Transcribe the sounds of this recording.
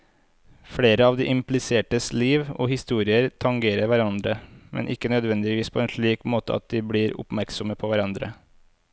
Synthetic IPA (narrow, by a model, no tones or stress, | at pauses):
fɽeːɾəɑːʋd̪iːʔɪmplɪseːʈəsliːʋo̰ːhɪst̪uːɾɪəɾt̪ʰɑŋɡeːɾəɾʋæɾɑnd̪ɾəmʔɛ̰nʔɪkːənœd̪ʋɛnd̪ɪʋiːspʰoːeːnʂɭiːkmoːt̪əɑ̰t̪̚d̪iːbɽiːɾʊ̰pmæɾksɔməpʰoːʋæɾɑnd̪ɾə̰